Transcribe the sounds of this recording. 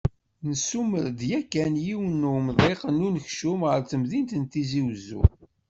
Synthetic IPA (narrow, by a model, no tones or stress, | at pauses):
nəsuməɾd̪jækːænjiwənːəmðˤeqnunəçʃumʁəɾt͡səmðint̪ənt̪iziwzṵ